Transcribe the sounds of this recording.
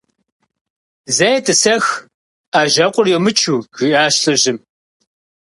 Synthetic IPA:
zɐjɛtʰʼɨsɐx | aːʒɐqʷʼʊrjɛmɨt͡ʃʰuːɣɨʔaːɕɬɨʑɪm

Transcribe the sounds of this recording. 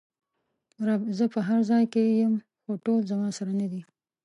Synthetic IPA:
ɾɑbzəpəɦaɾzɑjkejəm | xoʈolzamɑsaɾanad̪i

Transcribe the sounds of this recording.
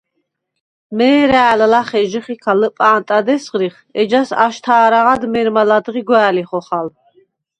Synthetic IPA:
mɛːɾaːllaχɛʒəχikʰaləpʼaːnt̪ʼad̪ɛsʁɾiχ | ɛd͡ʒasa̰ʃt̪ʰaːɾaʁad̪mɛɾmalad̪ʁiɡwæːliχɔχal

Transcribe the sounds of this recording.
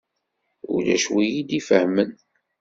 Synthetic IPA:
ʊ̰læ̰ʃwijid̪ifəhmən

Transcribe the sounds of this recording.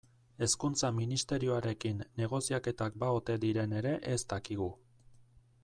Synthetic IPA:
e̞skunt͡saminist̪e̞ɾio̞aɾe̞kinːe̞ɣ̞o̞siake̞t̪ak̚bao̞t̪e̞d̪iɾe̞ne̞ɾe̞ʔest̪akiɣ̞u

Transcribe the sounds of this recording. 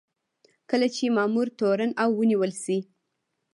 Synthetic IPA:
kəlat͡ʃemɑmuɾt̪oɾanawːəniwəlsi

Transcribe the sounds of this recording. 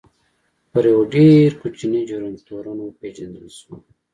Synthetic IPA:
pəɾjəwoɖeɾkut͡ʃinid͡ʒuɾəŋɡt̪oɾunoped͡ʒɐnd̪əlsu

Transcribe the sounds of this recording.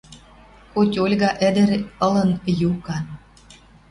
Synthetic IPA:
kotʲolʲɣɑʔə̆d̪ɘ̆ɾɤ̆lɤ̆njukɑn

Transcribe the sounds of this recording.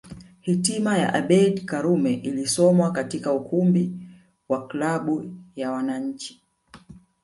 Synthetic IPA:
hitimaja̰ʔaɓɛɗkaɾumɛʔilisɔmwakatikaukumbi | waklaɓujawanaɲ̩t͡ʃi̥

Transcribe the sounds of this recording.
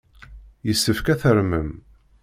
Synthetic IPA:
jəsːəfkæθəɾməm

